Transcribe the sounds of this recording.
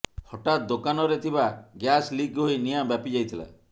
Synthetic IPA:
hɔʈat̪̚d̪okanɔɾet̪ʰibaɡjaslikɦojnijambapid͡ʒajt̪ʰila̰

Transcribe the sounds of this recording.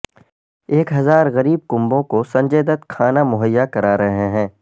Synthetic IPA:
eːkɦɐzaːɾɣɐɾiːb̚kʊ̃mbõkosɐ̃ɲd͡ʒeːd̪ət̪kʰaːnamʊɦəjːakɐɾaːɾɐɦɦeɦɛ̃ː

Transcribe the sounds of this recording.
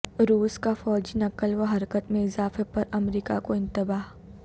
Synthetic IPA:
ɾuːskafɔːd͡ʒinɐkəlʋɐɦɐɾkət̪mẽɪzaːfepɐɾɐmɾiːka̰koɪ̃nt̪ɪbaːɦ

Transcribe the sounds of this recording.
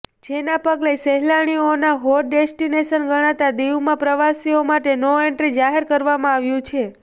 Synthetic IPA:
d͡ʒenapəɡleseɦlaɽ̃ionaɦoɾɖesʈineʃənɡəɽ̃at̪ad̪iwmãpɾəʋasiomaʈenoeɳʈɾid͡ʒaɦeɾkəɾʋamãaʋjũt͡ʃʰe

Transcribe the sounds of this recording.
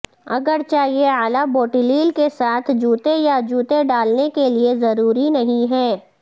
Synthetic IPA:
ɐɡəɾt͡ʃaːɦieaːlaboːʈiliːlkesaːt̪ʰd͡ʒuːt̪ejad͡ʒuːt̪eɖaːlnekeliezɐɾuːɾinɐɦĩɦɛː

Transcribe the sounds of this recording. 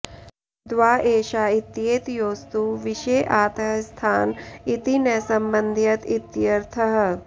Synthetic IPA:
d̪ʋaːʔeːʃaːit̪jeːt̪joːst̪uʋiʃeːʔaːt̪ɐɦst̪ʰaːnit̪inɛsɐmbɐnd̪ʱjɐt̪it̪jɐɾt̪ʰɐɦɐ̆

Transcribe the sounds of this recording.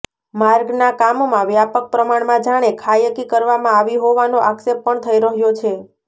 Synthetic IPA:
maɾɡnakamomãʋjapək̚pɾəmaɳmãd͡ʒaɽ̃ekʰajəkikəɾʋamãaʋiɦoʋanoʔaksepːəɳt̪ʰəiɾəɦjot͡ʃʰe

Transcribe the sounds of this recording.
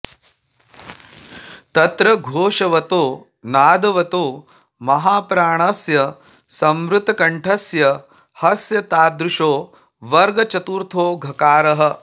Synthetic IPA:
t̪ɐt̪ɾɐɡʱoːʂɐʋɐt̪oː | naːd̪ɐʋɐt̪oː | mɐɦaːpɾaːɳ̃ɐsjɐ | sɐmɾut̪ɐkɐɳʈʰɐsjɐ | hɐsjɐt̪aːd̪ɾuʂoː | ʋɐɾɡɐt͡ʃɐt̪uːɾt̪ʰoːɡʱɐkaːɾɐɦɐ̆

